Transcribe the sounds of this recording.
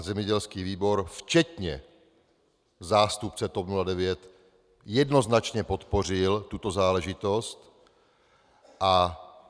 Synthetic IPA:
zɛmɲɛɟɛlskiːviːbo̞ɾft͡ʃɛt̪ɲɛ̰ | zaːst̪up̚t͡sɛt̪opnuladɛvjɛt̪ | jɛdno̞znat͡ʃɲɛpo̞t̪po̞r̝ɪlt̪ut̪o̞zaːlɛʒɪt̪o̞st̪ | ʔa

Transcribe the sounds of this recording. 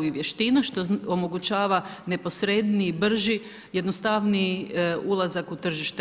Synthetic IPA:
jiʋje̞ʃt̪inaʃt̪o̞omo̞ɡut͡ɕaːʋane̞po̞sɾe̞d̪niːbr̩ʒi | jed̪nost̪aʋniulˠazakut̪r̩ʒiʃt̪e

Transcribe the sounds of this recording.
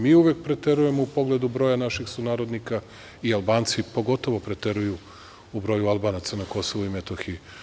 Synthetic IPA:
miːuʋek̚pɾet̪e̞ɾuje̞moupo̞ɡled̪ubɾo̞ːjanaʃixsunaːɾo̞d̪nika | ialˠbaːnt̪sipo̞ɡo̞t̪o̞ʋo̞pɾet̪e̞ɾuju | ubɾo̞jualˠbaːnat̪sanako̞so̞ʋuimet̪oxiji

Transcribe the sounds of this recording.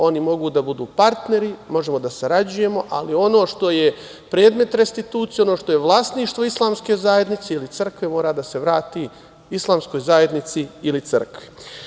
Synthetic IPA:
o̞nimo̞ɡuːd̪abud̪uːpaɾt̪ne̞ɾimo̞ʒe̞mo̞d̪asaɾad͡ʑuje̞mo̞ʔalio̞no̞ːʃt̪o̞je̞ | pɾe̞ːd̪me̞t̪ɾest̪it̪uːt̪sijeo̞no̞ːʃt̪o̞jeʋlˠaːst̪niːʃt̪ʋo̞islˠaːmske̞zajed̪nit̪seilit̪r̩kʋe̞mo̞ːɾaːd̪ase̞ʋɾaːt̪i | islˠaːmskojzaje̞d̪nit̪siilit̪sər̩kʋi

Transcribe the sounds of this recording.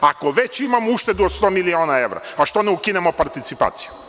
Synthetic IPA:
ako̞ʋet͡ɕimamuʃt̪ed̪uot̪st̪omilioːnae̞ʋɾa̰aʃt̪o̞neukinemopaɾt̪it̪sipa̰ːt̪si̥ju

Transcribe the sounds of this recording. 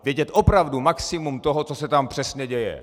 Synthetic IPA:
vjɛɟɛt̪ʔo̞pɾavdumaksɪmumt̪o̞ɦo̞t͡so̞sɛt̪ampr̝̥ɛsɲɛɟɛjɛ̰

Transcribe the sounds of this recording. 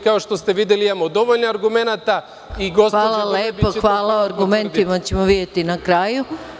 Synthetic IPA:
kaoʃt̪o̞st̪eʋid̪jeliimamod̪o̞ʋoʎnoaɾɡume̞nat̪a | iɡosʋaːlˠaleːpoxʋaːlaoaɾɡument̪imat͡ɕe̞moʋid̪je̞t̪inakɾaːju

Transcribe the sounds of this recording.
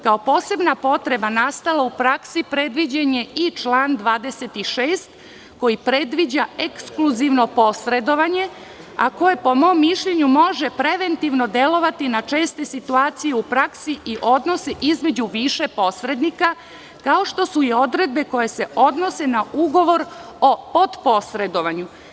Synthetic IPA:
kao̞po̞ːse̞bnapo̞t̪ɾe̞banast̪alaupɾaksipɾe̞d̪ʋid͡ʑaɲe̞it͡ʃlaːnd̪ʋaːd̪e̞se̞t̪iʃeːst̪ | ko̞jipɾe̞d̪ʋid͡ʑaekskluziʋno̞po̞sɾe̞d̪o̞ʋaɲe̞ | a̰ko̞je̞po̞mo̞mːiʃʎe̞ɲumo̞ʒe̞pɾe̞ʋe̞nt̪iʋno̞d̪je̞lo̞ʋat̪inat͡ʃe̞ːst̪e̞sit̪uaːt̪sijeupɾaksiʔiʔo̞d̪no̞seʔizme̞d͡ʑuʋiʃe̞po̞sɾe̞d̪nika | kao̞ʃt̪o̞suio̞d̪ɾe̞d̪̚be̞ko̞je̞se̞o̞d̪no̞se̞nauɡo̞ʋo̞ɾo̞po̞d̪po̞sɾe̞d̪o̞ʋaɲu

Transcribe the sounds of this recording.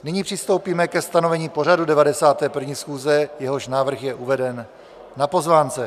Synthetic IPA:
nɪɲiːpr̝̥ɪst̪owpiːmɛkɛst̪anovɛɲiːpo̞r̝adudɛvadɛsaːt̪ɛːpr̩vɲiːsxuːzɛjɛɦo̞ʃnaːvr̩xjɛʔuvɛdɛnː | apo̞zvaːnt͡sɛ

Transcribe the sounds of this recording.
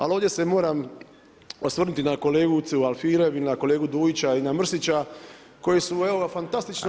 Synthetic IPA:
alo̞ːʋd̪ʲje̞se̞mo̞ːɾam | osʋr̩nut̪inako̞le̞ːɡut̪sualfiːɾeʋinako̞le̞ːɡud̪uːjit͡ɕainamr̩sit͡ɕa | ko̞jesueofant̪ast̪it͡ʃn

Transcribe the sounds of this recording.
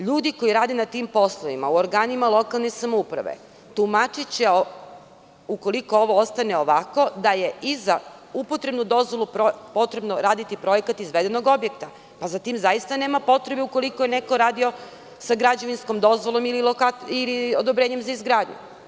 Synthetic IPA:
ʎuːd̪iko̞jiɾaːd̪enat̪iːmpo̞slˠoʋima̰uoɾɡaːnimalˠo̞kalˠne̞samoupɾa̰ʋḛ | t̪umat͡ʃit͡ɕeo | uko̞liko̞o̞ʋo̞ost̪ane̞o̞ʋako̞d̪aje̞izaupo̞t̪ɾe̞bnud̪o̞zʋo̞lˠupɾopo̞t̪ɾe̞bnoɾaːd̪it̪ipɾo̞jekat̪izʋe̞d̪eno̞ɡo̞bje̞kt̪a | pazat̪imzajist̪aneːmapo̞t̪ɾe̞beuko̞liko̞je̞ne̞ko̞ɾaːd̪io̞ | saɡɾad͡ʑeʋinsko̞md̪o̞zʋo̞lˠo̞mililokailiod̪obɾe̞ːɲe̞mzaizɡɾaːd̪ɲṵ

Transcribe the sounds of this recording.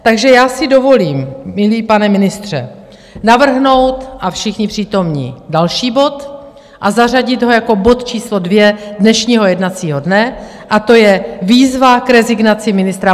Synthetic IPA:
t̪aɡʒɛjaːsɪdo̞vo̞liːmːɪliːpanɛmɪnɪst̪r̥ɛ̰ | navr̩ɦno̞wt̪ʔafʃɪxɲɪpr̝̥iːt̪o̞mɲḭːdalʃiːbo̞t̪ | ʔazar̝aɟɪd̪ɦo̞jako̞bo̞t̪t͡ʃiːslo̞dvjɛdnɛʃɲiːɦo̞jɛdnat͡siːɦodnɛ | ʔat̪o̞jɛviːzvakɾɛzɪɡnat͡sɪmɪnɪst̪ɾa

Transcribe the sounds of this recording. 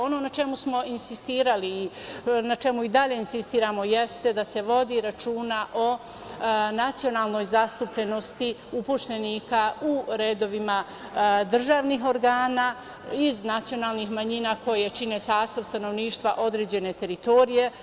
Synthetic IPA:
o̞no̞nat͡ʃe̞musmo̞insist̪iːɾaliːnat͡ʃe̞muid̪aʎe̞insist̪iːɾaːmo̞jest̪ed̪ase̞ʋo̞d̪iɾat͡ʃuːnaʔo̞ | nat̪sio̞naːlˠno̞jzast̪upʎe̞no̞st̪iupuʃt̪eniːkauɾe̞ːd̪o̞ʋima | d̪r̩ʒaːʋniɦo̞ɾɡaːnaː | iznat̪sijo̞naːlnixmaɲinaːko̞jet͡ʃine̞saːst̪aʋst̪ano̞ʋniːʃt̪ʋaʔo̞d̪ɾeːd͡ʑe̞ne̞t̪e̞ɾit̪o̞ɾije̞

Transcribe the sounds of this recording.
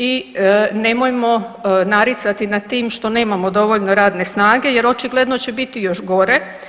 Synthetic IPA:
ine̞mojmo̞naɾit̪sat̪inat̪iːmʃt̪o̞ne̞ːmamo̞d̪o̞ʋoʎno̞ɾaːd̪ne̞snaːɡe̞je̞ɾo̞t͡ʃiɡlˠed̪no̞t͡ɕebit̪ijo̞ʃɡo̞ɾe̞

